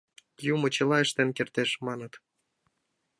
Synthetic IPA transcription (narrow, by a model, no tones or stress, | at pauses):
jumot͡ɕə̆lɑeʃt̪enkert̪eʃmɑnət̪